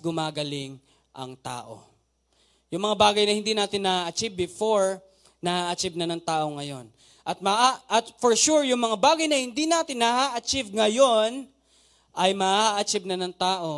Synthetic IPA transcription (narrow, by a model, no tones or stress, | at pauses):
ɡʊmaːɡɐlɪŋ | ʔɐ̰ŋt̪a̰ːʔo̞̰ | jʊŋmɐŋabaːɡɐjnɐhɪnd̪iːnaːt̪ɪnːɐhaːʔɐt͡ʃivbɪfoɹ | nɐhaːʔɐt͡ʃibnɐnɐŋt̪aːʔo̞ŋɐjo̞n | ʔɐt̪̚mɐʔaʔɐt̪foɹʃuɹjʊŋmɐŋabaːɡɐjnɐhɪnd̪inaːt̪ɪnːɐhaːʔɐt͡ʃivŋɐjo̞n | ʔɐjmɐhaːʔɐt͡ʃɪb̚nɐnɐŋt̪aːʔo̞